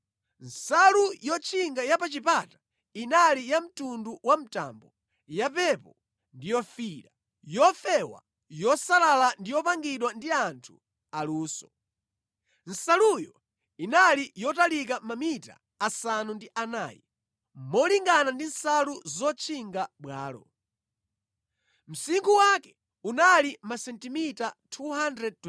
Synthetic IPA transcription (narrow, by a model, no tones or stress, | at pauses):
n̩salujɔt͡ʃʰiŋɡajapat͡ʃipatḁ | inalijam̩tunduwam̩ta̰mbɔ | japɛpɔ | ndijɔfiɾa | jɔfɛwa̰ | jɔsalalandijɔpaŋɡiɗwandiantʰu | aluːsɔ̥ | n̩salujɔ | inalijɔtalik̬amamita̰ː | sanundiʔana̰ːjɛ̰ | mɔliŋɡanandin̩saluzɔt͡ʃʰiŋɡaɓwaːlɔ̰ | m̩siŋkuwakɛ̥ | unalimasɛntimitatʰuɦandɾɛd̚t